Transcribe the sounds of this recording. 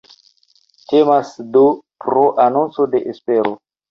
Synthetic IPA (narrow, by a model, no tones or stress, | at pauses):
te̞masdopɾoʔanont͡sode̞ʔespe̞ɾo